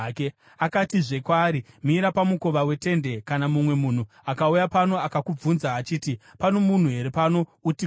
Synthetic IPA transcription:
ke | akatiʐe̞kwaːɾimiɾapamuko̞ʋawe̞te̞nde̞kanamumwe̞muːn̤u | akaujapano̞akakub͡vunzaːt͡ʃiːtipano̞mun̤uɦe̞ɾe̞pano̞uti

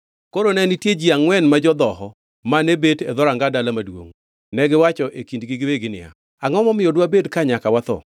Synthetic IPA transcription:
koɾonɛnitjed͡ʒiaŋwɛnmad͡ʒɔd̪ɔɦɔ | manebeted̪ɔɾaŋɡadalamadwo̰ŋ | nɛɡɪwat͡ʃɔʔekindɡiɡɪweɡɪnɪ̰a̰ | aŋɔmɔmɪodwabedkaɲakawat̪ɔ̰

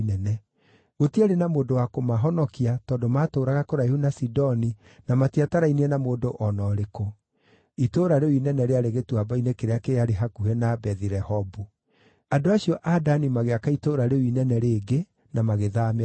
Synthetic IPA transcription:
ɛnɛ | ɣotiaɾenamoːdowakomaɦɔnɔkiatɔːndomatoːɾaɣakoɾaihunasidɔni | namatiataɾainiɛnamoːdoʔɔnɔɾeko | itoːɾaɾewinɛnɛɾeaɾeɣetwabainekeɾeakeaɾeɦakuhɛnabɛðiɾɛhɔbu | andoaɕiɔʔadanimaɣeakaitoːɾaɾewinɛnɛɾeːɡe | namaɣeðam

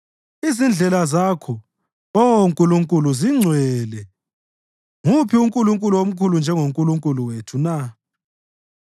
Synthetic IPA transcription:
izind͡ɮʱɛlazakʰɔ | ɔwoŋkʼuluŋkʼuluziŋ͡ǀʱwɛlɛ | ŋupʰiuŋkʼuluŋkʼuluwom̩kʰulund͡ʒʱɛŋoŋkʼuluŋkʼuluwetʰuna

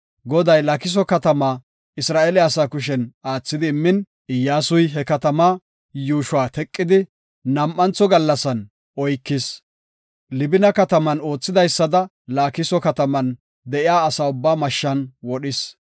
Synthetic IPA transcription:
ɡɔd̪ɐjlɐkɪs̬ɔkɐt̪ɐmaː | ɪsɾaːʔeːlɛɐsaːkʊʃ̬ɛnaːt͡sːɪd̪ɪːmːɪn | ɪjːaːsʊjɦɛkɐt̪ɐmaː | juːʃwaːt̪ɛkʼːɪd̪ɪ | nɐmʔːɐnt͡sːɔɡɐlːɐsɐn | ʔɔjkːɪs | lɪbɪnɐkɐt̪ɐmɐno̞ːt͡sːɪd̪ɐjsːɐd̪ɐ | laːkɪsɔkɐt̪ɐmɐn | d̪ɛʔɪjaːɐsaːʊbːaːmɐʃːɐnwɔɗɪs

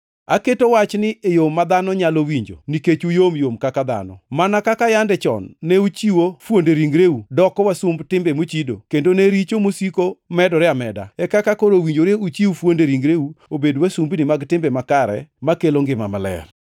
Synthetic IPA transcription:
aketowat͡ʃnɪejomːad̪anɔɲalowiɲd͡ʒo̰niket͡ʃujomjomkakad̪a̰nɔ̰manakakajandɛt͡ʃɔ̰nːeut͡ʃiwofwondeɾiŋɡɾeudɔkɔwasumbtɪmbemot͡ʃido̰kendoneɾit͡ʃomosikomɛdɔɾɛamɛda̰ɛkakakoɾowiɲd͡ʒoɾeut͡ʃiufwondeɾiŋɡɾeuobedwasumbnɪmaɡtɪmbɛmakaɾɛ̰makeloŋɡɪma̰ma̰lɛ̰r

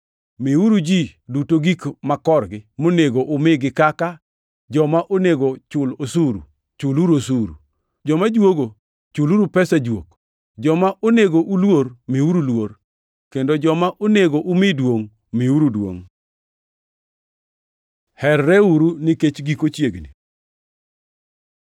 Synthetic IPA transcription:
miuɾud͡ʒidutoɡikmakɔrɡɪmoneɡoʔʊmɪɡɪkaka | d͡ʒɔmaʔoneɡot͡ʃʊlosuɾṵ | t͡ʃʊluɾosuɾṵ | d͡ʒɔmad͡ʒwoɡo | t͡ʃuluɾupɛsad͡ʒwo̰k | d͡ʒɔmaʔoneɡoʔulwoɾmiuɾulwor | kendod͡ʒɔmaʔoneɡoʔumɪdwoŋ | miuɾudwo̰ŋ | hɛrːɛuɾuniket͡ʃɡikot͡ʃjeɡnḭ

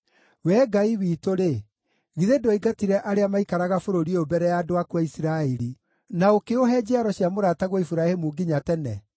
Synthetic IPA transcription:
wɛɡaiwiːtoɾe | ɣiðedoiɡatiɾɛʔaɾeamaikaɾaɣafoɾoɾieobɛɾɛjaːdoakwaisiɾaɛɾi | naokeoɦɛd͡ʑiaɾɔɕjamoɾataɣwɔifuɾahemuɡiɲatɛnɛ̰

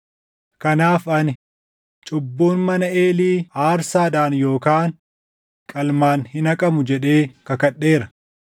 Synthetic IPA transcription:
kɐnaːfɐnɪ | t͡ʃʼʊbːoːnmɐnɐeːliːaːɾsaːd̪aːnjo̞ːkaːn | kʼɐlmaːnhɪnɐkʼɐmʊd͡ʒɛᶑe̞ːkɐkɐɗːeːɾɐ̥

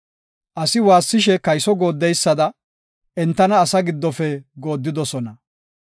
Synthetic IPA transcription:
ʔɐsɪwaːsːɪʃ̬ɛkɐjsɔɡo̞ːd̪ːɛjsːɐd̪ɐ | ɛnt̪ːɐnɐːsɐɡɪd̪ːɔfɛɡo̞ːd̪ːɪd̪ɔsɔnɐ

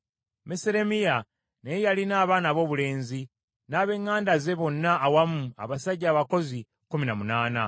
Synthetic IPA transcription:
meseɾe̞mija | nejejalinaːβaːnaβo̞ːβule̞ːnzi | naːβe̞ŋːaːndaze̞βo̞nːaʔːwamua̰βasaɟːaːβako̞zi | kuminamunaːna̰

